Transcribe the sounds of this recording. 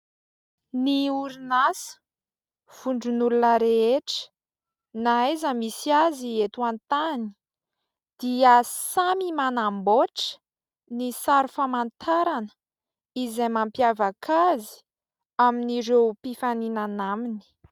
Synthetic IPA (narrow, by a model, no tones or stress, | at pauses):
niuɾinasə̥ | v̥uɳɖ͡ʐunulunəɾeeʈ͡ʂə̥ | naezəmisiaziet̪uant̪ani̥ | d̪̥iəsamimanamboʈ͡ʂə̥ | nisaɾufamant̪ʰaɾanə̥ | izajmampjavəkʰazi̥ | aminiɾewpifaninanamini̥